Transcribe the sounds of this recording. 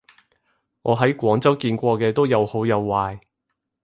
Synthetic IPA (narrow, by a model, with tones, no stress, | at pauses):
ŋʔɔː˨˧ɦɐ˨˥jkʷɔː˨˥ŋt͡sɐ˥wkiː˧nkʷɔː˧kɛː˧t̪o˥wjɐ˨˧who˨˥wjɐ˨˧wːaː˧j